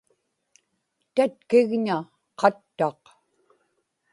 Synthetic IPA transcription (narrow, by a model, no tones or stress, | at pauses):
t̪at̪̚kɪɣɲa | qɑt̪ːɑq